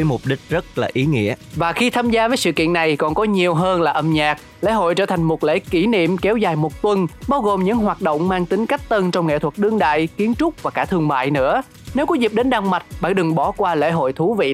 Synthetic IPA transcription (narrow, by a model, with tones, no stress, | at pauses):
ə˨˦jmʊ˨˩p̚ɗï˦˥k̟̚zə˦˥t̚laː˨˩ʔi˨˦ŋḭ˧˥əvaː˨˩xi˧t̪ʰaː˧mzaː˧vəː˨˦jsɨ̰˧˨kḭ˧˨ənːa˨˩jkɔ˨˩nkɔ˨˦ɲi˨˩əwɦəː˧nlaː˨˩ʔə˧˩mɲaː˨˩k̚ | lḛ˧˥ɦo̰˧˨jt͡ɕəː˧˩t̪ʰa˨˩jŋ̟mo˨˩t̚lḛ˧˥ki˧˩nḭ˧˨əmkɛ˨˦wzaː˨˩jmo˨˩t̚t̪wə˧nɓaː˧wɣo˨˩mɲɨ̰˧˥ŋɦwaː˨˩t̚ɗo̰˧˨wŋ͡mmaː˧ŋt̪ï˨˦ŋ̟ka˦˥jk̚t̪ə˧nt͡ɕɔ˧wŋ͡mŋḛ˧˨t̪ʰwə˨˩t̚ɗɨ˧əŋɗa̰ː˧˨jki˨˦ənt͡ɕʊ˦˥k͡p̚vaː˨˩kaː˧˩t̪ʰɨ˧əŋma̰ː˧˨jnɨ̰˧˥ə | ne˨˦wkɔ˨˦zi˨˩p̚ɗe˨˦nɗaː˧ŋma˨˩t̚ɓa̰ː˧˥ŋɗɨ˨˩ŋɓɔ˧˩kwaː˧lḛ˧˥ɦo̰˧˨jt̪ʰu˨˦vḭ˧˨